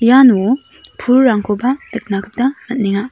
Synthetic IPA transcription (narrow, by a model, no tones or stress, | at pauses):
janu | pʰuɾːaŋkʰobalɯk̚naɡɯp̚danɐt̚niŋa